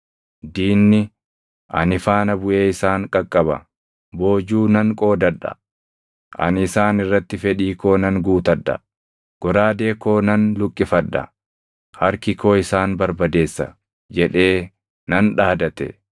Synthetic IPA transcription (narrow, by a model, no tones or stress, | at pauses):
d̪iːnːɪ | ʔɐ̰nɪfaːnɐbʊʔe̞ːɪsaːŋkʼɐkʼːɐbɐ̰ | bo̞ːd͡ʒuːnɐŋkʼo̞ːd̪ɐᶑɐ̰ | ʔɐ̰nɪsaːnɪrːɐt̪ːɪfɛᶑiːko̞ːnɐŋɡuːt̪ɐᶑɐ̰ | ɡ̥ɔɾaːd̪e̞ːko̞ːnɐnlʊkʼːɪfɐᶑːɐ̰ | hɐɾkɪkʰo̞ːɪsaːnbɐɾbɐd̪e̞ːsːɐ̰ | d͡ʒɛᶑe̞ː | nɐnᶑaːd̪ɐt̪ɛ̰